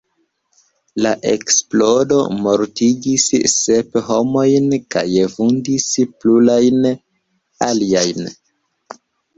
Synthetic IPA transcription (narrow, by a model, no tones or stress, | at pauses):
laʔe̞̰ksplo̞do̞̰mo̞ɾtid͡ʒisːepɦo̞mo̞jnka̰jevundisplulajn | aliajn